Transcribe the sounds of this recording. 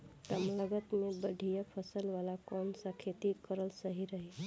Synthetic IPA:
t̪əmləɡət̪mẽbəɖʱijapʰəsəlʋalakɔːnsakʰet̪ikəɾəlsəɦiɾəɦe

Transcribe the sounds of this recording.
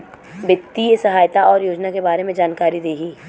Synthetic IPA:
ʋɪt̪ːisɐɦaːjt̪aɔːɾjoːd͡ʒnakebaːɾemẽd͡ʒaːnkaːɾid̪eːɡiː

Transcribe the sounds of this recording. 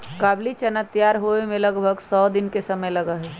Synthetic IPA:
kablit͡ʃənət̪ijaɾɦoemẽləɡbʱəɡsɔd̪ɪnkesəməjləɡəɦɛ

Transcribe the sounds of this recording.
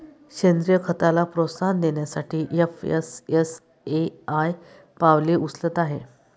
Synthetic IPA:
ɕend̪ɾijəkʰət̪alapɾosand̪eɳjasaʈʰiːʔefḛses | eaj | paʋliːʔuslət̪aɦe

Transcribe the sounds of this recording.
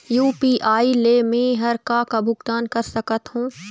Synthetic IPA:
juːpiːʔaːilemẽɦɐɾkakabʱʊɡt̪aːnkɐɾsɐkət̪ɦũː

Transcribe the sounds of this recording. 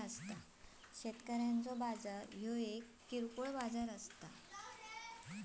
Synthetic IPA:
əst̪a | ɕet̪kəɾjãnt͡sɔbad͡zəɾɦjoekːiɾkuɭbad͡zaɾəst̪a̰

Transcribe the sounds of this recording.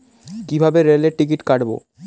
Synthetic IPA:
kibʱabeɾeleɾʈik̬iʈkaʈbo̰

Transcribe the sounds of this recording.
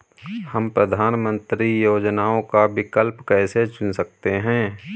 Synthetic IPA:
həmpɾəd̪ʱaːnmə̃nt̪ɾijoːd͡ʒnaːõkabɪkəlpkɛːset͡ʃʊnsɐk̚t̪eɦɛ̃ː

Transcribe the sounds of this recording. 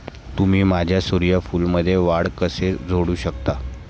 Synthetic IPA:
t̪um̤iːmad͡ʑʱjasuɾijəfuːlməd̪ʱːjeʋaɽkəsed͡zʱoɽuːɕəkt̪a

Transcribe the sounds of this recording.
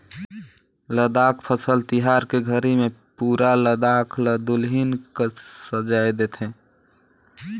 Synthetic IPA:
ləd̪akʰpʰəsəlt̪iɦaɾkeɡʱəɾimẽpuːɾaləd̪akʰləd̪ʊlɦinkesəd͡ʒajd̪et̪ʰɦɛ̃ː

